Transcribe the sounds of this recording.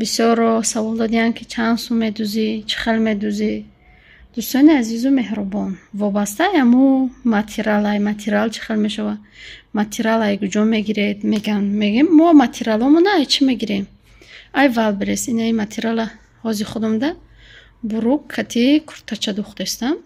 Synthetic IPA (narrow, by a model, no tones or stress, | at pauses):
bisjɔɾɔsavɔlˠd̪ɔd̪iankʰit͡ʃʰansumed̪uzit͡ʃʰi̥χelmed̪uzi | d̪̥ust̪ɔniazizume̞hɾubɔnvɔbast̪ajamumat̪ʰiɾalajmat̪ʰiɾalt͡ʃʰi̥χelmeʃavamat̪ʰiɾalajɡud͡ʒɔmeɡiɾed̪meɡanmeɡimːɔmat̪ʰiɾalɔmunaːjt͡ʃʰimeɡiɾem | ajvalbeɾesinaimat̪ʰiɾala | hɔziχud̪umd̪a | buɾukʰːat̪ʰikʰu̥ɾt̪ʰat͡ʃʰad̪uχt̪est̪am